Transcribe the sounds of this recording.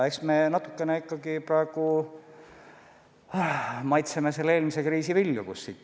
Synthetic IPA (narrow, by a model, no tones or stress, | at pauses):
e̞ksme̞nɑt̪ːˑu̥kːˑe̞neikˑːɑɡ̥iprɑe̞ɡ̥u | mɑjt̪semese̞lːee̞ːlmise̞kriːsivilʲjukusːiːt̪ːˑ